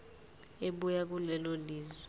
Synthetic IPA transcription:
eɓujak̬ʼulɛloliːzwɛ

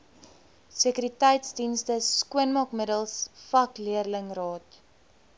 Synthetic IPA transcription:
səkyɾitɛjtsdinstəskuənmɑkmədəlˠsfɐkliərləŋrɑːt

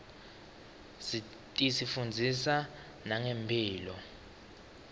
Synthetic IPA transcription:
si | tʼisifund͡zʱisa | naŋempʰiːlɔ

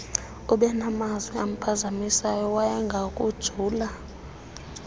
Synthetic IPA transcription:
uɓɛnamazwiam̩pʰazamisajɔwajɛŋɡʱakʼud̥ʒ̥ʱuːla

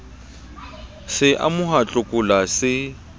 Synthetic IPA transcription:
sɪʔa̰mʊɦat͡ɬʼʊkʼʊlasɪ

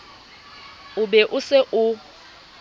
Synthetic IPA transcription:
ʊbɛʔʊsɪʔʊ

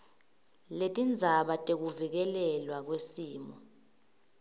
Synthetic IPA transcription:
letʼind͡zʱaɓatʼek̬uvik̬ɛlɛlwak̬wesiːmɔ

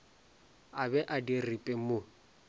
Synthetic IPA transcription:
abɛʔadiripʼɛmʊ

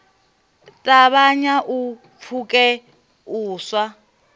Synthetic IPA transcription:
tʼaβaɲaʔu | pʰukʼɛ | uːswa

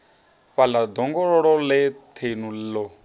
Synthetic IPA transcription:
βalad̪ɔŋɡɔɺɔɺɔlɛt̪ʰenullɔ

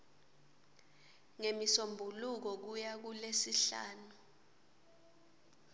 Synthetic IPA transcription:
ŋemisombʱuluk̬ɔk̬ujak̬ulesiɬa̰ːnu

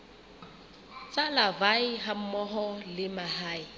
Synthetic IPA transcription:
t͡sʼalavaɪɦam̩mɔɦɔlɪmahaːɪ

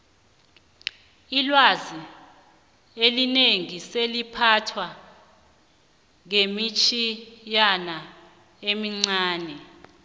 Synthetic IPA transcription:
ilwazi | elineŋiselipʰatʰwa | ŋemit͡ʃʰijana | emiŋ͡ǀaːnɛ

